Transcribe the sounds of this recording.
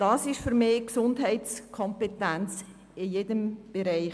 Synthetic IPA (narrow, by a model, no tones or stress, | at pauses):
d̥ɑːsɪʃfyɾmeːksʊndɦɛɪtskʰɔmpetænt͡s | ɪjedəmb̥eɾɛɪ